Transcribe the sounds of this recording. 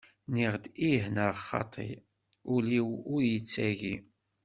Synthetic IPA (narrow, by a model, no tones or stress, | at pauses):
niʁd̪iɦnəʁχːɑ̰t̪ˤʰḭ | ʊliwʊɾjət͡sːæʝi